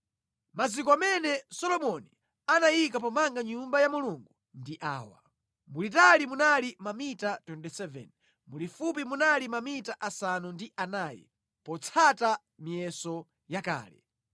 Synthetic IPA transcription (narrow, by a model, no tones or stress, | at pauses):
mazikɔamɛnɛsɔlɔmɔni | anajikapɔmaŋɡaɲumbajamuluŋɡu | ndiʔaːwa̰ | mulitalimunalimamitatwɛntɛsɛvɛ̰n | mulifup̬imunalimamitaʔasanundiʔanaːjɛ̰ | pɔt͡sʰata | mijɛsɔ | jaka̰ːlɛ̰